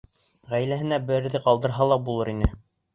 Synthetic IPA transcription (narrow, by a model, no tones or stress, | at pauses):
ʁæjlæɦɘ̆næbɘ̆ɘɾðɘqɑlˠd̪ɤ̆ɾɦɑlˠɑbulˠɤɾinɘ